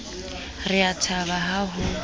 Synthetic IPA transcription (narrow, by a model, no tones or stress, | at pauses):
rɪatʰaβaɦaɦʊ